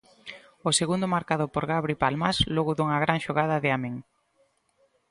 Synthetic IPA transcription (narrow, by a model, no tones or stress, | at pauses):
oseɣund̪ʊmaɾkaðʊpoɾɣaβɾipalmaslɔɣʊðuŋaɣɾaŋʃoɣaðaðɪameŋ